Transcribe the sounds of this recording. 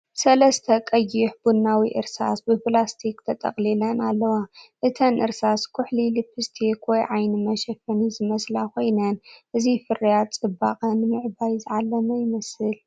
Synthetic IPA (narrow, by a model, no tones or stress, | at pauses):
sɐlɐst̪ʰɐkʼɐjːɪħbunːawiʔɨ̰ɾsa̰sbɨpʰlast̪ʰikt̪ʰɐt̪ʼɐ̰χʼlilɐnalːɐwaʔɨt̪ʰɐnʔɨɾsaskʰʊħlilipʰɨst̪ʰikwɔjʕajnɨmɐʃɐfɐnizɨmɐslakʰo̞jnɐnʔɨzifɨrijat̪t͡sʼɨba̰χʼɐnmɨʕbajzɨʕalːɐmɐjɪmɐsɨl